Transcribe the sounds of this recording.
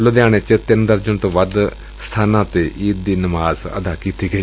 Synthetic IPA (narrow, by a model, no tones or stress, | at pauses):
lõːd̪ɪaːɽ̃eːt͡ʃət̪ɪnd̪əɾd͡ʒəɳt̪õːʋəd̪ | sə̥t̪ʰaːnãːt̪eːʔiːt̪̚d̪iːnəmaːzə̰d̪aːkiːt̪iːɡəiː